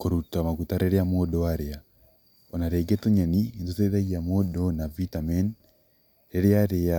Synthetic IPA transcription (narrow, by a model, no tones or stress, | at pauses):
koɾutamaɣutaɾeɾeamodɔwaɾea | onaɾeɡetoɲanientoteðaɣiamodɔnavitamɛn | ɾeɾeaɾea